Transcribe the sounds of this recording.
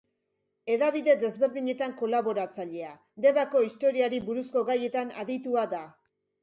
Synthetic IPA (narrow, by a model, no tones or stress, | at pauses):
e̞ðaβ̞iðe̞d̪e̞zβe̞ɾðiɲe̞t̪aŋko̞laβo̞ɾat͡saʎe̞a | d̪e̞βako̞ist̪o̞ɾiaɾiβuɾusko̞ɣaje̞t̪ana̰ðit̪uaða